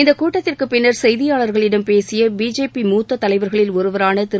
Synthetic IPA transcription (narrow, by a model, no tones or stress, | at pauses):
ɪnd̪ɐkuːʈːɐt̪ːɪrkɯpɪnːɐɾsɛjðɪjaːɭɐɾɣɐɭɪɽɐmpeːsɪjɐbiːd͡ʒeːpimuːt̪ːɐt̪ːɐlɐɪʋɐɾɣɐɭɪlɔɾɯʋɐɾaːnɐt̪ɪɾ